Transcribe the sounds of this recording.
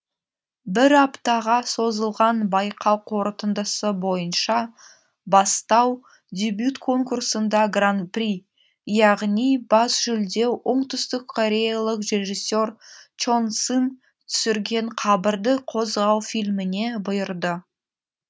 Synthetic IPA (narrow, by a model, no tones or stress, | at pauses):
bɪɾɑpt̪ɑʁɑso̞zəlˠʁɑnbɑjqʰɑlˠqʰwo̞ɾt̪ənd̪əsəbo̞jənʃɑ | bɑst̪ɑw | d̪ʲebjut̪kʰo̞ŋkursənd̪ɑɡrant̪̚prʲi | jɑʁnijbɑsʒ̥ʏld̪e̞wʔəɴt̪ʰʏst̪ɪkkʰoɾʲejalˠəqre̞ʒisʲːo̞rt͡ʃonsən | t̪ʰʏ̥sɪɾɡʲe̞ɴqʰɑbəɾd̪əqʰo̞zʁɑwfilmɪne̞bʊjəɾd̪ə